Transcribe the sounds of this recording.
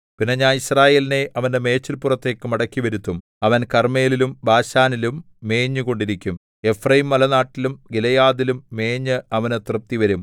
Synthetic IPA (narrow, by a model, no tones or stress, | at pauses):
pinːeɲaːniɕraːje̞ːline̞ʔɐʋɐnde̞me̞ːt͡ɕːilpurɐt̪ːe̞ːkːɨmɐɽɐkʲːiʋɐɾut̪ːum | ɐʋɐnkɐrme̞ːlilumbaːɕaːnilumː | e̞ːɲːɨko̞ɳɖiɾikʲːum | e̞frɐjimːɐlɐnaːʈːilumɡilɐjaːðilumːeːɲːɨɐʋɐnɨt̪rɨp̚t̪ːiʋɐɾum